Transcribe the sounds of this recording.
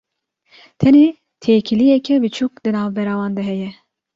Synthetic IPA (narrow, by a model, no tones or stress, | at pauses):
t̪ʰɛneː | t̪ʰeːkʰilijɛkʲʰɛbit͡ʃʰukd̪ɨnaːvbɛɾaːwɑːnd̪ɛɦɛjɛ